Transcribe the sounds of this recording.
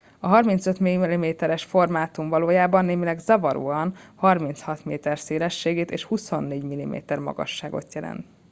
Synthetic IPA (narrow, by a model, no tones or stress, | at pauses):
ɒɦɒrmint̪søt̪miilimeːt̪ɛɾɛʃfo̞rmaːt̪umvɒloːjaːbɒnːeːmilɛɡzɒvɒɾṵːɒnhɒrmint̪shɒt̪meːt̪ɛrseːlɛʃːeːɡeːt̪eːʃhuso̞nːeːɟmilimḛːt̪ɛrmɒ̰ɡɒ̰ʃːaːɡo̞̰t̪jɛlɛ̰nt̪